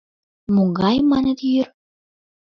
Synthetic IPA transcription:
muɡɑjmɑnə̆t̪jyr

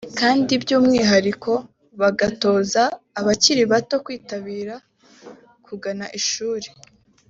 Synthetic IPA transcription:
kaːndibjuːmŋiːɦaɾiko̞ | βaɡato̞ːzaː | βaciɾiβato̞kwiːtaβiːɾa | kuɡanaʔiʃuːɾe̥

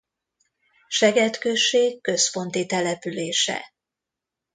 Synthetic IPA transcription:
ʃɛɡɛt̪køʃːeːkːø̞spo̞nt̪it̪ɛlɛpyleːʃɛ̰

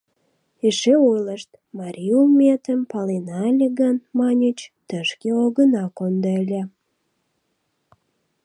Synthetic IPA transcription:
eʃeojləʃt̪ | mɑɾʲiulmʲet̪əmpɑlenɑlʲeɡənmɑnʲit͡ɕt̪əʃkeoɣənɑkond̪əlʲæ

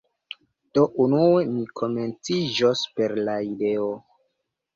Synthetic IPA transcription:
d̥o̞ʔunue̞mikʰo̞me̞nt͡sid͡ʒospe̞ɾlaide̞o

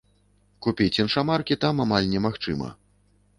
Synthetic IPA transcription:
kupʲit͡sʲɛnʂamarkʲit̪amamalʲnʲɛmaxt͡ʂɨ̰mɐ̰

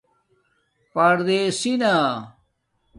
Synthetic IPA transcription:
pɐɾd̪esina

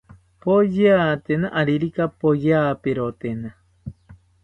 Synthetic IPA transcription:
pojat̪enãʔaɾiɾikapojapeɾot̪ena

